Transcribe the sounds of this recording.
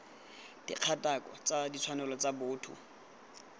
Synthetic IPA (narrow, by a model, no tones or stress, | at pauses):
d̥ḭq͡χʰatʼakʼɔt͡sadit͡sʰwanɛlɔt͡sabʊːtʰʊ̰